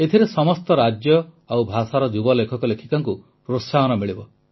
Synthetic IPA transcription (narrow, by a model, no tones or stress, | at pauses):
et̪ʰiɾesɔmɔst̪ɔɾad͡ʒjɔ | awbʱasaɾɔd͡ʒubɔlekʰɔkɔlekʰikaŋku | ɾosːaɦɔnɔmiɭibɔ